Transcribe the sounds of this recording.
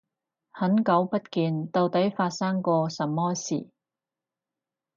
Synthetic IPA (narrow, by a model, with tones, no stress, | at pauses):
hɐ˨˥nkɐ˨˥wpɐ˥t̚kiː˧nt̪o˨˧wt̪ɐ˨˥jfaː˧t̚saː˥ŋkɔː˧sɐ˨˩mːɔː˥sḭː˨˩